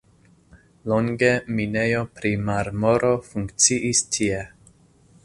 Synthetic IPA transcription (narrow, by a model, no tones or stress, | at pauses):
loŋɡe̞minejopɾimaɾmoɾo̞fuŋkt͡siʔistʰie